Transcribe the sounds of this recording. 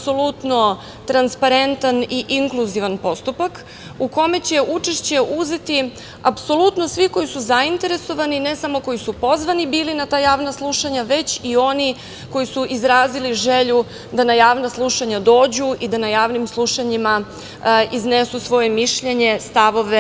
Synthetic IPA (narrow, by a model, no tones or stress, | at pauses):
so̞lut̪no̞ | t̪ɾanspaɾe̞nt̪aniʔiŋkluziʋanpo̞st̪upak | uko̞me̞t͡ɕe̞ʔut͡ʂe̞ʃt͡ɕe̞ʔuze̞t̪i | apso̞lˠut̪no̞sʋiko̞jisuzaint̪e̞ɾe̞so̞ʋanine̞samo̞ko̞jisupo̞zʋanibiːlinat̪aːjaːʋnaslˠuʃaɲaʋe̞t͡ɕio̞ni | ko̞jisuʔizɾaːziliʒeʎu | d̪anajaːʋnaslˠuʃaɲad̪o̞ːd͡ʑuʔid̪anajaːʋnimslˠuʃaɲima | iznesusʋo̞je̞miʃʎe̞ɲe̞st̪aʋo̞ʋe